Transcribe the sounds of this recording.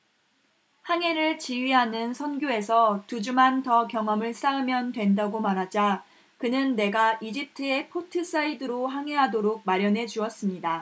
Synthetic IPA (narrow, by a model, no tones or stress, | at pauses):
haŋe̞ɾɯɭt͡ɕiɥiɦanɯnsʰʌnɡjoe̞sʰʌtud͡ʑumɦantʌkjʌŋɦʌmɯɭsʰaɯmjʌndwe̞ndaɡomanɦad͡ʑa | kɯnɯnːe̞ɡaʔid͡ʑip̚tʰɯe̞pʰotʰɯs͈aidɯɾoɦaŋɦe̞ɦadoɾoɡ̚maɾjʌnɦe̞d͡ʑuʌs͈ɯmɲida